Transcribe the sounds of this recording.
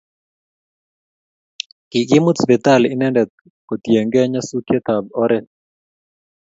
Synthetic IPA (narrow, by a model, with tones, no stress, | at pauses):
kɪ˨ɡɪ˦mu˦sbɛ˨t̪a˦lɪ˨nɛ˦ndɛ˨ | ko˨t̪je˨ŋɡɛ˦ɲa˦su˦kje˦t̪a˨bɔ˦ɾɛ˨